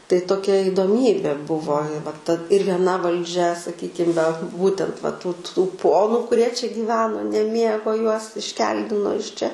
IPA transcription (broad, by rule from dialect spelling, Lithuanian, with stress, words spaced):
tɐɪ toːˈkʲɛ ɪdoːˈmʲiːbʲeː ˈbʊʋoː ɪ ʋɐ tɐ ɪr ʋʲiɛˈnɐ ʋɐlʲˈd͡ʒʲɛ sɐˈkʲiːkʲɪm ʋʲɛ ˈbuːtʲɛnt ʋɐ tuː tuː ˈpoːnʊ kʊˈrʲiɛ t͡ʃʲɛ ɡʲiːˈʋʲæːnoː nʲɛˈmʲiɛɡoː ˈjuɔs ɪʃʲˈkʲɛlʲdʲɪnoː ɪʃ ˈt͡ʃʲɛ